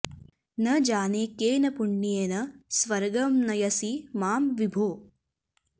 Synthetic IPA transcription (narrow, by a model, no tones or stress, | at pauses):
nɐd͡ʒaːneːkeːnɐpuɳːijeːnɐsʋɐɾɡɐmnɐjɐsimaːmʋibʱoː